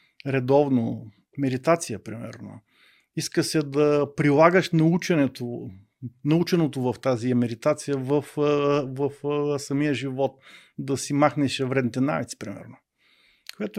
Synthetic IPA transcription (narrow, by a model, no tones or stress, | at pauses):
ɾɛd̪ɔvno | mɛd̪it̪at̪sijəpɾḭmɛ̰ɾno̰ | iskəsɛd̪ɐpɾilˠaɡəʃnɐut͡ʃɛnɛt̪o | nɐut͡ʃɛnot̪ovɐft̪aziɛmɛd̪it̪at̪sijəvəfvəfsɐmijəʒivɔt̪̚d̪ɐsimaxnɛʃɛvɾɛd̪nit̪ɛna̰vit̪si̥pɾimɛ̰ɾno | kojat̪ʊ